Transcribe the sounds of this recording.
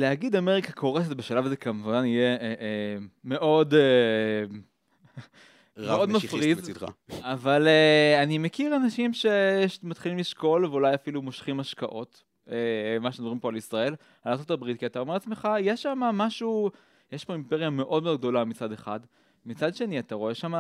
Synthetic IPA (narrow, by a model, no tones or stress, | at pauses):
leaɡid̪ameʁikakʰo̞ʁeset̪beʃalavazekamvanijeeeme̞ʔo̞de | meo̞d̪mafʁiz̰avaleanimekiʁanaʃimʃe̞ʃmat̪χilimliʃko̞lveulajafilumo̞ʃχimaʃkaʔo̞t | emaʃedomʁimpo̞alisʁae̞l | alaʁt͡sotabʁit̚kiat̪aomelat͡sme̞χajeʃːamamaʃu | jeʃpoimpeʁjame̞ʔo̞d̪me̞odɡ̚d̪o̞lamit͡sad̪eχad | mit͡sad̪ʃe̞niataʁoeʃama